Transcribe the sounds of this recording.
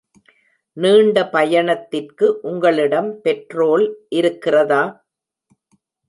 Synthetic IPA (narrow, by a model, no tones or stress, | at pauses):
niːɳɖɐpɐjɐɳɐt̪ːɪrkɯʔʊŋɡɐɭɪɽɐmpɛʈroːlʔɪɾɯkːɪrɐðaː